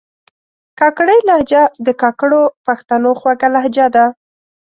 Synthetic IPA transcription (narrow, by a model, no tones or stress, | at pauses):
kɑkɽəjlahd͡ʒad̪əkɑkəɽopaxt̪anoxwaɡalahd͡ʒad̪a